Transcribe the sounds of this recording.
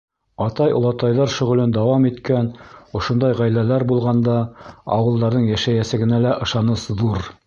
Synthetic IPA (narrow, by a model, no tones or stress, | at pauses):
ɑt̪ɑjŏ̰lˠɑt̪ɑjðɑɾʃɵ̆ʁɵ̆lɘnd̪ɑwɑmit̪kænŏʃŏnd̪ɑjʁæjlælæɾbulˠʁɑnd̪ɑɑ̰wɤ̆lˠd̪ɑɾðɤɴjæʃæjæsɘ̆ɡɘ̆nælæʔɤ̆ʃɑnɤsðuɾ